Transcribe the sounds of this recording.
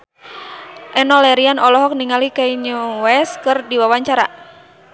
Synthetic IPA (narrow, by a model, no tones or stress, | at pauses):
ʔɛnɔlɛɾianɔlɔɦɔk̚niŋalikaiɲuwɛskɨrdiwawaɲt͡ʃaɾa